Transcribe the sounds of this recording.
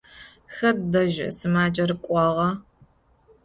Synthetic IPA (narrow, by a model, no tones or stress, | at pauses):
xɐddɐʒ̰sɨmaːd͡ʒʼɐrɨkʷʼɔʁɐ